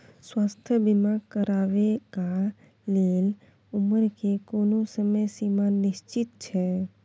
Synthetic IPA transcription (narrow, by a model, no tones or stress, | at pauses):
swast̪ʰəbimaɡkəɾaʋeka | leːl | uməɾkekoːnosəməjsimanɪst͡ʃɪt̪̚t͡ʃʰɛ